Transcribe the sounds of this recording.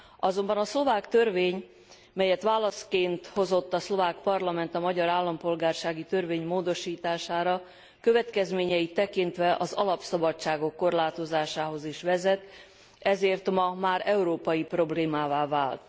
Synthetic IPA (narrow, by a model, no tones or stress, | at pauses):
ɒzo̞mbɒnɒslo̞vaːkt̪ø̞rveːɲ | mɛjɛt̪ʋaːlɒskeːnt̪ho̞zo̞t̪ːɒslo̞vaːkpɒrlɒmɛnt̪ɒmɒɟɒɾaːlːɒmpo̞lɡaːrʃaːɡit̪ø̞rveːɲmoːd̪o̞ʃiːt̪aːʃaːɾɒ | køvɛt̪kɛzmeːɲɛjit̪ːɛkint̪ʋɛʔɒzɒlɒpsɒbɒt͡ʃːaːɡo̞kːo̞rlaːt̪o̞zaːʃaːɦo̞ziʃʋɛzɛt̪ | ɛzeːrt̪mɒmaːɾɛuɾoːpɒjipro̞bleːmaːvaːvaːlt̪